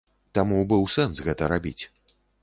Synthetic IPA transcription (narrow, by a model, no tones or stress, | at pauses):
t̪amubɨwsɛnsɣɛt̪ɐɾabʲḭt͡sʲ